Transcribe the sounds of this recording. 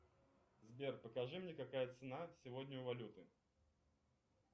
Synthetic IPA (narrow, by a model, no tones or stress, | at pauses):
zbʲerpəkɐʐɨmnʲekɐkajət̪sɨnasʲɪvod̪ʲnʲɪʊvɐlʲut̪ɨ